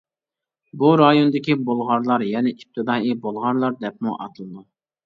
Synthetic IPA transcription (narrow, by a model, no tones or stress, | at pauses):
buɾɑjonɨd̪ɪkʲibolˠʁɑɾlˠɑɾjɛnɪip̚t̪ʰɨd̪ɑːibolˠʁɑɾlˠɑɾd̪ɛp̚muʔɑ̰t̪ʰɨlˠɨd̪u